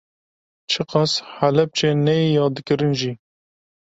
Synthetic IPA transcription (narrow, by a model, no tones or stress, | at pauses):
t͡ʃʰɨqɑshalɛp̚t͡ʃeːnɛjijɑːd̪ɨkɨɾɨnʒi